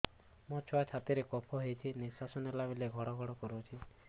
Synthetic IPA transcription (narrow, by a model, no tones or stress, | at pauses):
mɔt͡ʃʰɔat͡ʃʰat̪iɾekɔpʰɔɦejt͡ʃʰinisasɔnelabileɡʱɔɽɔɡʱɔɽɔkɔɾot͡ʃʰi